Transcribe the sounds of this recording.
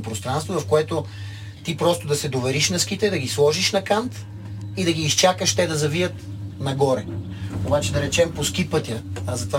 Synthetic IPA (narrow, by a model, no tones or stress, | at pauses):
pɾost̪ɾanst̪vovɐfkoɛt̪o | t̪ipɾɔst̪ʊd̪ɐsɛd̪ovɛɾiʃnɐskit̪ɛd̪ɐɡʲislˠɔʒiʃnɐkant̪ | id̪ɐɡʲiːst͡ʃakəʃt̪ɛd̪ɐzɐvijət̪ | nɐɡɔɾɛ | obat͡ʃɛd̪ɐɾɛt͡ʃɛmposkipɤt̪ʲəzɐt̪va